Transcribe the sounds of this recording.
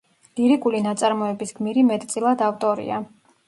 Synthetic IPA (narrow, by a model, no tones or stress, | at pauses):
liɾikʼulinat̪sʼaɾmɔɛbisɡmiɾimɛt̪ʼt̪sʼilˠad̪aft̪ʼɔɾḭa